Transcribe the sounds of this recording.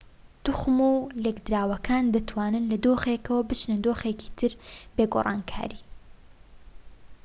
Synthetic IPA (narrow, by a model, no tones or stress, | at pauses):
d̪̥uxmulekd̪ɾaːwɐkʰaːnd̪ɐt̪ʰwaːnɨnlɐd̪oːxekɐwɐbɨt͡ʃnɐd̪oːxeːki̥t̪ʰɨɾbeːɡo̰ːrˤɑ̰ːnkʰa̰ːɾiː